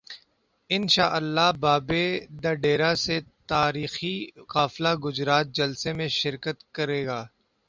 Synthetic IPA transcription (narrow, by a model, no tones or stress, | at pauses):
ɪnʃaːʔəlːaɦbaːbeːd̪ɐɖeːɾaset̪aːɾiːxiɣaːflaɡʊd͡ʒɾaːt̪̚d͡ʒɐlsemẽʃɪɾkət̪kɐɾeːɡaː